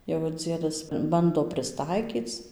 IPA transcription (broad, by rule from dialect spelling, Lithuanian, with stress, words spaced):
jɛʊ ɪr ˈd͡zʲiɛdɐs ˈbɐndoː pʲrʲɪsˈtɐɪkʲiːt͡s